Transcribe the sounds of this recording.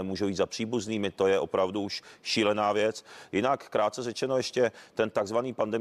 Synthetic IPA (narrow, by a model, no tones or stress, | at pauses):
ɛmuːʒobiːt̪zapr̝̥iːbuzniːmɪt̪o̞jɛʔo̞̰pɾavduuʃʃiːlɛnaːvjɛt͡sjɪnakːɾaːt̪̚t͡sɛrɛt͡ʃɛnojɛʃcɛt̪ɛnt̪aɡzvaniːpandɛ